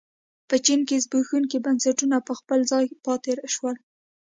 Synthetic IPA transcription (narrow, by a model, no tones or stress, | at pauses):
pət͡ʃinkezbuxunkebansaʈunapəxpəlzɑjpɑt̪eɾʃwəl